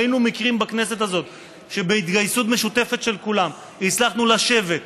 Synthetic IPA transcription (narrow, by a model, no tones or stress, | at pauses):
inumikʁimbakne̞s̬e̞t̪azo̞t̪ | ʃe̞beit̪ɡajsut̪̬me̞ʃut̪e̞fe̞t̪ʃe̞lkulam | it͡slaχnulaʃe̞ve̞t̪̚